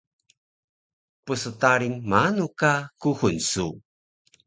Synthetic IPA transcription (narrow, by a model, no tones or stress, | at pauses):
pusətaɾiŋmanukakuhunsu